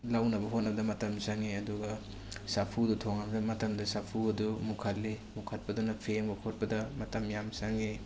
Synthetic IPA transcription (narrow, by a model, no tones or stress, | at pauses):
lawnɐbɐɦot̚nɐbɐdɐmɐtɐmsaŋeɐduɡɐ | sapʰudutʰoŋamzɐmɐtɐmdɐsapʰuɐdumukʰɐlːemukʰɐt̚pɐdunɐpʰeŋbɐkʰot̚pɐdɐmɐtɐmjamsaŋe